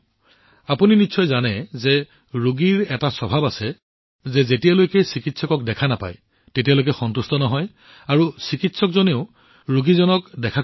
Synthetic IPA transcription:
apuninitsʰɔjzanɛzɛ | ɹuɡiɹɛtasɔbʱabasɛ | zɛzetijalojkɛsikitsɔkɔk̚dɛkʰanapa̰j | tetijalojkɛxɔntustɔnɔɦɔj | aɹusikitsɔkzoneʊ | ɹuɡizɔnɔkdɛkʰa

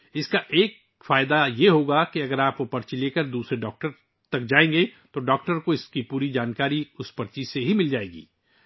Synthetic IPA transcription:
ɪskaʔeːk̚ | faːɪd̪ajeɦoːɡakeɐɡəɾaːpkopɐɾt͡ʃileːkəɾd̪uːsɾeɖɔːk̚ʈəɾ | t̪ɐk̚d͡ʒaːẽːŋɡet̪oɖɔːkʈəɾkoɪskipuːɾid͡ʒaːnkaːɾiʊspɐɾt͡ʃiseɦimɪld͡ʒaːeːɡḭː

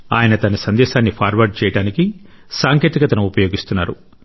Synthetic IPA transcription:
aːjɐnɐt̪ɐnɐsɐnd̪ɛːʃaːnːipʰaːɾʋɐɾɖ̚t͡ʃɛːjɐɽaːniki | saːŋkeːt̪ikɐt̪ɐnɐmupɐjo̞ːɡist̪unːaːɾu

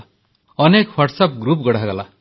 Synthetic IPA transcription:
ʌnekwʌʈsʌp̚ɡɾup̚ɡɔɽ̤aɡʌla

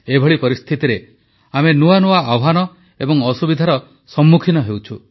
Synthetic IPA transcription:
ebʱɔɭipɔɾist̪ʰit̪iɾe | amenuanuaawɦanɔ | ebɔŋɔsubid̪ʱaɾɔ | sɔmːukʰinɔɦewt͡ʃʰu

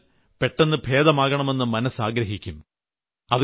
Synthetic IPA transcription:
pe̞ʈːenːɨbʱe̞ːd̪ɐmaːɣɐɳɐme̞nːɨmɐnɐsaːɡɾɐɦikʲːum | ɐðɨ

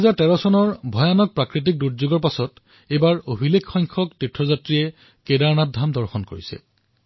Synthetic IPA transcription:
ɦɛzaɹtɛɹɔsɔnɔɹbʱɔjanɔk̚pɹakɹit̬ik̚duɹzoɡɔɹpasɔt | ebaɹobʱilekʰxɔjŋkʰɔktitʰɹɔzatɹiɛ | kedaɹnadʱamdɔɹxɔnko̰ɹisɛ̰

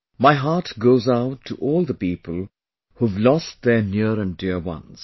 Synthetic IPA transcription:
maɪɦaɹtɡoʊzaʊtʰːuʔɔːlˠðəpiːpʰəlˠ | huvlɔst̚ðə˞njuɾə̃ndɪɹwʌ̰̃nz̥

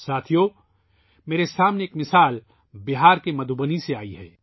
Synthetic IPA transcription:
saːt̪ʰijo | meːɾesaːmneeːkmɪsaːl | bɪɦaːɾkemɐd̪ʱubəniseaːiɦɛ̰ː

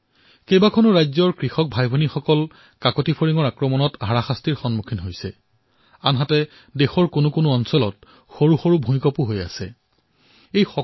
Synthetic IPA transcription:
kejbakʰonʊɹajzɔɹkɹixɔk̚bʱajbʱɔnixɔkɔl | kakɔtipʰoɹiŋɔɹakɹɔmɔnɔtɦaɹaxastiɹxɔnmukʰinɦojsɛ̰ | anɦatɛ | dexɔɹkʊnʊkʊnʊɔnsɔlɔt̚ | xoɹuxoɹubʱũmj̃kɔpuɦoja̰sɛ̰ | ejxɔ

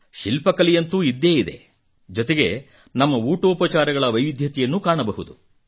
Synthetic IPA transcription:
ʃilpɐkɐlijɐnt̪uid̪ːe̞ːjid̪e̞̰ | d͡ʒɔt̪e̞ɡe̞ | nɐmːɐuːʈoːpɐt͡ʃaːɾɐɡɐɭɐʋɐjʋid̪ʱjɐt̪ijɐnːukaːɳɐbɐɦud̪u

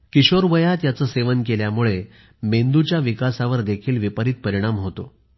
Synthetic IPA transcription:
kiɕoɾʋəjat̪jat͡səːseʋənkeljamuɭe | mend̪ut͡ɕjaʋikasaʋəɾd̪ekʰiːlʋipəɾiːt̪̚pəɾiɽ̃amɦot̪o

